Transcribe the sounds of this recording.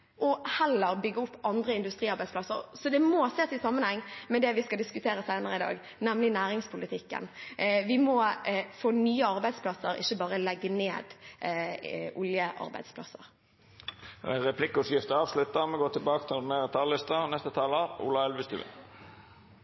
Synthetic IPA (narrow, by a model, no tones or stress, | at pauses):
ʔɔhɛlːəʁbʏɡːəʊpːɑnd̪ɾəɪnd̪ʉst̪ʁiːɑʁbæɪdsplɑsə̰ʁsɔd̪ɛmɔseːsɪsɑmːənhɛŋːmɛd̪ɛʋɪskɑd̪ɪskʉt̪ʰeːɾəsæɪnəʁəɪd̪ɑ̰ːɡ | nɛmlɪnæːɾɪŋspʰʊlɪt̪ʰɪkːə̰nʋɪmɔfoːnyːəɑʁbæɪd̪spʰlɑsəɾɪ̰çːəbɑːʁəlɛɡːəneːd̪ | ʔʊljəʔɑ̰ʁbæ̰ɪd̪spʰlɑ̰sə̰ʁ | ʁɛpʰlɪkːʊsjɪft̪əɑːʋslʉt̪ːəmɛɡoːt̪ʰɪlbɑːkə̥t̪ʰɪlmeːɾɛt̪ʰɑlːɪst̪ənɛst̪ət̪ʰɑːləṵːlɑɛlʋɪst̪ʉ̰ːɪ̰n